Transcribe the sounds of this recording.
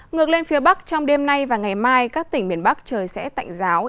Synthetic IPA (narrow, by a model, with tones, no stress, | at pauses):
ŋɨ˨˩ək̚le˧nfi˨˦əɓa˦˥k̚t͡ɕɔ˧wŋ͡mɗe˧mna˧jvaː˨˩ŋa˨˩jmaː˧jkaː˦˥kt̪ï˧˩ŋ̟ɓi˨˩ənɓa˦˥k̚t͡ɕəː˨˩jsɛ̰˧˥t̪a̰˧˨jŋ̟zaː˨˦w